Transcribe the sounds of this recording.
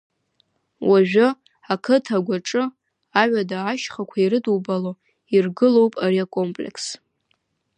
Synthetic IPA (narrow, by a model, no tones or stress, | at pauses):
waʒᶣʊ | akʰɨtʰaɡʷaʈ͡ʂʼɨ | aɥʷᶣadaːʃχakʷʰaiɾɨduwbalo | irɡɨlo̞wpʼaɾiakʼo̞mpʼlḛkʰs